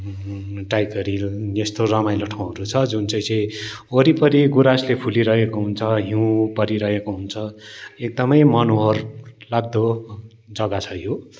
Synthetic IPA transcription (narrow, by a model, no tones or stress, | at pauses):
ʈajkʌɾiest̪orʌmajlʌʈʰaw̃ɦʌɾut͡sʰʌd͡zunt͡sʌ̃j̃t͡sʌj | oɾipʌɾiɡuɾaslepʰuliɾʌɦekoɦunt͡sʰʌɦiũpʌɾiɾʌɦekoɦunt͡sʰʌek̚d̪ʌmʌjmʌnoɦʌrlaɡ̚d̪o | d͡zʌɡat͡sʰʌjo